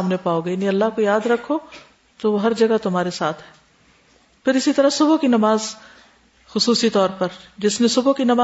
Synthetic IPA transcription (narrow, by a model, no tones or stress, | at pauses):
mnepaːoɡɐniɐlːaɦkojaːd̪ɾɐkʰːo | t̪oʋoɦɐɾd͡ʒɐɡat̪ʊmɦaːɾesaːt̪ʰɦɛː | pɪɾɪsit̪ɐɾasʊbokinɐmaːz | xʊsuːsit̪ɔːɾpɐɾd͡ʒɪsnesʊbokinɐma